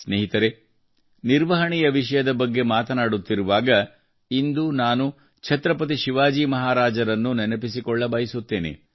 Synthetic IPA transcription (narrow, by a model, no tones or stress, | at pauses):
sneːɦit̪ɐɾe̞ | niɾʋɐɦɐɳijɐʋiʂɐjɐd̪ɐbɐɡːe̞maːt̪ɐnaːɽut̪ːiɾuʋaːɡɐ | ind̪unaːnu | t͡ʃʰɐt̪ɾɐpɐt̪̬iʃiʋaːd͡ʒiːmɐɦaːɾaːd͡ʒɐɾɐnːunɛnɐpisikɔɭːɐbɐjɐsut̪ːe̞ːne̞̰